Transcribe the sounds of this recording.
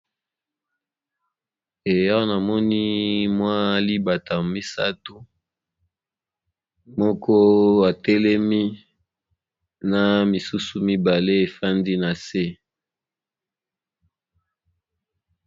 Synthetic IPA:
e˨ja˦na˨mɔ˦ni˦mwa˦li˦ba˨ta˨mi˦sa˦tu˦ | mɔ˦kʰɔ˦wa˨tɛ˦lɛ˦mi˦ | na˨mi˨su˦su˨mi˦ba˨le˦e˨fa˦ndi˦na˨se˦

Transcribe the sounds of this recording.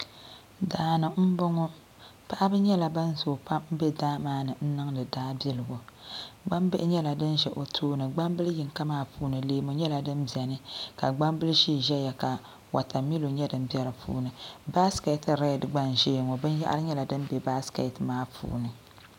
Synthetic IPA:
daː˨nɨ˨m̩˦bɔ˦ŋɔ˦ | pa˦ʔa˦bɨ˦ɲɛ˦la˨ba˦n˦zo˨pa˦mm̩˦bɛ˦daː˦maː˦nɨ˨n̩˦nɨ˦ŋdɨ˨daː˦bɛ˦lɨ˨ɡo˨ɡ͡ba˦mbɨ˦ʔɪ˦ɲɛ˦la˨dɨ˦nʒɛ˨ʔo˨tʰoː˦nɨ˨ɡ͡ba˦mbɨ˦lji˨ŋka˦maː˦puː˦nɨ˨leː˦mo˨ɲɛ˦la˨dɨ˦mbɛ˨nɨ˦ka˨ɡ͡ba˦mbɨ˦lʃiː˦˨ʒɛ˦ja˨ka˨ | wa˨ta˨mi˦lo˨ɲɛ˦dɨ˨m˦bjɛ˦ɾɨ˨pʰṵː˦nɨ˨ba˦ske˨tɾɛ˦˨dɡ͡ba˦n˨ʒeː˦˨ŋɔ˨bɨ˦n˦ja̰˦ʔa̰˦ɾɨ˦ɲɛ˦la˨dɨ˦m˦be˨ba˦ske˨tmaː˦pʰṵː˨˦nɨ˨

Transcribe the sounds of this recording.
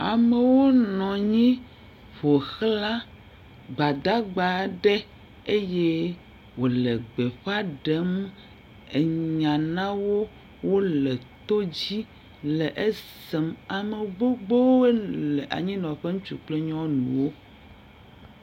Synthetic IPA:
a̰˨me˨wo˦nɔ̃˨ɲĩ˦ | ɸo˨xla˦ | ɡ͡ba˨d̪a˦ɡ͡ba˨ɖe˦ | e˦je˦ | wo˨le˨ɡ͡be˨ɸa˦ɖe˨˦m | e˨ɲã˨nã˦wo˦ | wo˦lɛ˨t̪o˦d͡ʑi˦ | le˨ʔe˦se˨ma˨me˨ɡ͡bo˦ɡ͡bo˦e˦le˨ʔa̰˨ɲĩ˦nɔ̃˨ɸe˦ŋũ˦t͡ʃu˨k͡ple˦ɲɔ̃˦nṵ̃˨wo˦

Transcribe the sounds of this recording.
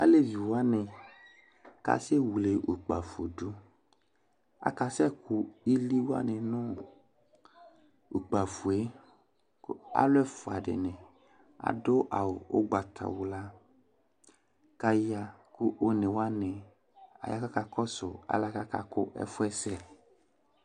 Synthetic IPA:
a̰˦le˦vi˨wa˦nɪ˧ | ka̰˨se˦wu˨le˨ʔu˨k͡pa˨fo˨du˨˦ | a̰˨ka˧sɛ˦kʊ˨i˦li˦wa̰˦nɪ̃˨nʊ˦ | u˨k͡pa˨fu˨e˨˦ | ka̰˦lʊ˦ɛ˦fʊ˨a˨dɪ̰˨nɪ̃˨ | a̰˨dʊ˦ʔa̰˨wo̰˦ɡ͡ba˨t̪ʰa̰˨wu˨la˦ | ka˧ja˧kʊ˦ʔo˦nẽ˨wa˦nɪ˨ | a̰˨ja˨˦ka˦ka˧kɔ˦sʊ̰˨a̰˨˦la˦ka˦ka̰˨kʊ˦ʔɛ̰˦fʊ˦ɛ˦sɛ˦

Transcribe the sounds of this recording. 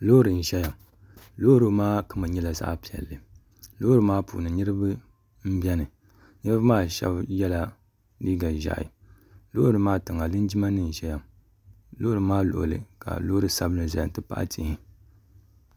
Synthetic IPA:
lo˦ɾɨ˨n̩˨ʒɛ˦ja˨m | lo˦ɾɨ˦maː˦kɨ˦mɨ˨ɲɛ˦la˨za̰˦ʔpi˨ɛ̰˨lːɨ˨ | lo˦ɾɨ˨maː˦pṵː˨nɨ˨nɨ˦ɾɨ˦bɨ˦ | m̩˦bɛ˦nɨ˨ | nɨ˦ɾɨ˦bɨ˦maː˦ʃɛ̰˦bjɛ˦la˦ | liː˦ɡa˨ʒa̰˨ʔḭ˨ | lo˦hɾɨ˨˦maː˦tɨ˨ŋa˨lɨ˦nd͡ʒi˦ma˦nɨ˨n̩˨ʒɛ˦ja˨m | lo˦ɾɨ˨maː˦lo̰˨ʔo̰˨lɨ̰˨ka̰˨lo˦ɾɨ˨sa˦bɨ˦nɨ˨za˨ja˨n˨tɨ˦pa̰˦ʔa̰˦tḭ˨hi˨

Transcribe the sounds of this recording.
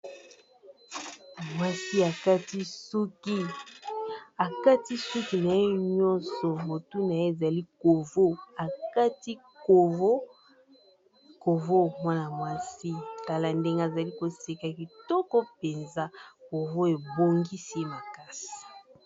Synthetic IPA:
mwa˦si˦a˨ka˦ti˦su˦ki˦ | a˨ka˦ti˦su˦ki˨na˨je˦ɲɔ̃˦nsɔ˨mo˨tu˦na˨je˦e˨za˨li˦ko˨vo˦a˨ka˦ti˦ | ko˨vo˦ | ko˨vo˦mwa˦na˨mwa˦si˦ka˨la˨nde˦ŋɡe˦a˨za˨li˦ko˨se˨ka˨ki˨tɔ˦kɔ˦pe˨nza˦ko˨vo˦e˨bo˨ŋɡi˦se˦ma˨ka˦si̥˨

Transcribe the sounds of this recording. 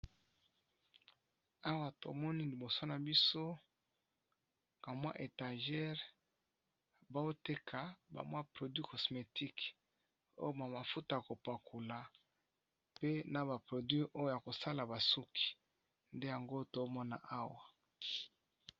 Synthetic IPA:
a˦wa˨to̰˨mɔ˦ni˦li˨bo˨so˦na˨bi˦so˦ | ka˨mwa̰˦ʔe˨tã˨ʒɛ˦ʁ | ba˦o˦te˦kʰa˨ba̰˨mwa˦pʁo˨dwi˦kɔ˨sme˨tʰi˦k | o̰˦jo˦ma˨ma˨fu˦ta˨a˨ko˨pa˨kʰu˨la˨ | pe˦na˨ba˨pʁo˨dwɥi˦ʔo˦jo˦ja˨ko˨sa˦la˨ba˨su˦kʰi̥˨ | nde˦ja˨ŋɡo˦to˨˦mɔ˦na̰˦ʔa˦wa˨

